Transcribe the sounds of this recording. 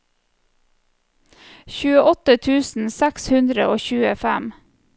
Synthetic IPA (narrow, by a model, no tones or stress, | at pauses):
çʉːəʔɔt̪ət̪ʰʉːsn̩sækshʉnd̪ɾəʔoːçʉːəfæm